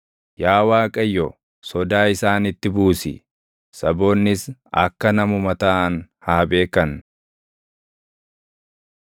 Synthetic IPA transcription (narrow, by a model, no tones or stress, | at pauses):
jaːwaːkʼɐjːɔ | sɔd̪aːɪsaːnɪt̪ːɪbuːsɪ̰ | sɐbo̞ːnːɪsɐ̰kːɐnɐmʊmɐt̪ɐɐnhaːbe̞ːkɐn